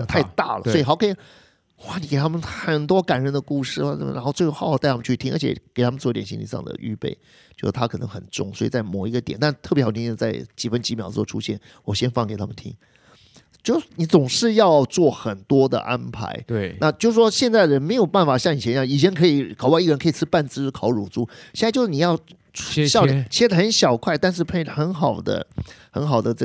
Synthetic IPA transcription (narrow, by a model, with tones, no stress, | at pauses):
t̪ʰa˥˧ɪt̪a̰˥˩lə̰˩swɔ˥i˨˩xɑ˧˥ʊkʰɤ˥i˨˩ | wa˥˩ni˨˧ke˨˩ɪa˥mə˨nxə˨˩nt̪wɔ˥ka˨˩nɻə˧˥nd̪ə˧ku˥˧ʂɻ̩˥˩wa˥˩ə˨˩˧ɻa˧˥nxo˥˧ʊt͡sxxt̪ɪa˥mə˨˧t͡ɕʰy˥˧t̪ʰi˥ŋə̰˞˧˥t͡ɕʰɛ̰˧˥˩ke˨˩ɪt̪ʰa˥mə˨nt͡swɔ˥˨˧t̪jɛ˨˩ɕi˥lḭ˨˩ʂɑ̰˥˩ŋd̪ə̰˩y̰˥˧pḛ˥˩ɪ | t͡ɕjo˥˧ʊʂ̩˥˩t̪ʰa˥kʰɤ˨˩nɤ̰˧˥ŋxə̰˨˩nʈ͡ʂʊ̰˥˩ŋswɔ˧˥ḭ˨˩t͡sa˥˩ɪmɔ˨˩i˧˥ɡə˧t̪jɛ˨˩˦nt̪a˥˧nt̪ʰɤ˥˩pjxʰĩ˥˧˥t͡sa˥˩ɪt͡ɕi˨˩fə˥nt͡ɕi˧˥mjɑ˨˩ʊwɔ˥˩ʈ͡ʂʰṵ˥ɕjɛ˥˩n | wɔ˨˩ɕjɛ˥nfɑ˥˩ŋke˨˩t̪ʰa˥mə˨nt̪ʰḭ˥ŋ | t͡ɕjo˥˧˩ʊni˧˥t͡sʊ˨˩ŋʂɻ̩˥˧jɑ˥˧ʊt͡swɔ˥˩xə˨˩nt̪wɔ˥d̪ə̰˨ʔa˦˥npʰa̰˧˥ɪna˥˧t͡ɕjo˥˧ʊʂ̩˥˩ʂwɔ˥ɕjɛ˥˧nt͡sa˥˩ɪdə˩ɻə˧˥nme˧˥ɪjo˨˩ʊpa˥˩nfa˨˩ɕjɑ˥˩ŋi˨˩ɛ˧˥n˥jɑ˥˩i˨˩t͡ɕʰjɛ˧˥nkʰɤ˧˥i˨˧˦kʰʊwi˥˩ə˩˧˦nkʰi˨˩t͡sʰɹ̩˥pa˥˩nt͡sɹ̩˥kʰɑ˨˥ʊɻu˨˩t͡su˥˩ɕjɛ˥˧na˥˧t͡ɕjʊʂɻ̩˥ni˨˩jɑ˥˧ʊ˥ | ɕjɑ˥˧ʊ˨t͡ɕʰi˧˥ʂ̩˥˩xə˧˥nɕjɑ˨˩ʊkʰwa˥˧ɪt̪a˥˧nʂ̬ɻ̩˥˩˧pʰe˥xə˧˥nxɑ˨˩ʊd̪ə̰˦xə̰˧˥nxɑ˨˩ʊd̪ə˦ʈ͡ʂə˥˩